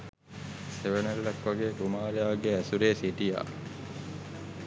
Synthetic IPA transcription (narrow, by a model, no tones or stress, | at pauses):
seʋenelːɐkʋaɡeːkumaːlejaːɡeæsuɾeːsiʈija̰ː